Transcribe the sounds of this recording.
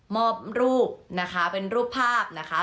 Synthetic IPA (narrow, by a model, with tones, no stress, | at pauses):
mɔː˥˩p̚ɾuː˥˩p̚na˦˥kʰa˦˥pe˧nɾuː˥˩pʰːaː˥˩p̚na˦˥kʰa˦˥